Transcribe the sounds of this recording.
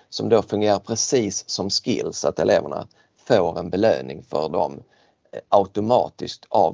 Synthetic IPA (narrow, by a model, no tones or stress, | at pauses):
sɔmd̪ofɵŋɡeːɾaɾpʰɾɛsiːsːɔmskɪlsat̪ɛleːvəɳa̰ | foːɾɛnbɛløːnɪŋfœɖɔm | ʔaʊt̪ʊmɑːt̪ɪsk̚t̪a